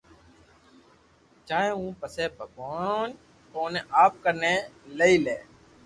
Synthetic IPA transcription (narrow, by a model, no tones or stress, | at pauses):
t͡ʃaːẽːũːpəseːbʱəɡoːn | koːneʔaːp̚kəɾneːleiːleː